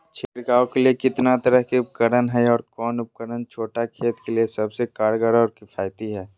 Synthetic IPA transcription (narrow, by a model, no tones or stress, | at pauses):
t͡ʃʰeːɽɡaːõkeliekɪt̪nat̪ɐɾəɦkeʊp̚kəɾənɦɛɔːɾkɔːnʊp̚kəɾənt͡ʃʰoːʈakʰeːt̪keliesɐbsekaːɽɡəɽɔːɾkɪfaːjt̪iɦɛː